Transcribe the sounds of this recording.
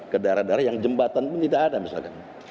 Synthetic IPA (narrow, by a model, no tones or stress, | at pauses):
kədaɾadaɾajaŋd͡ʒəmbat̪anpʊnt̪idakadamisa̰lkan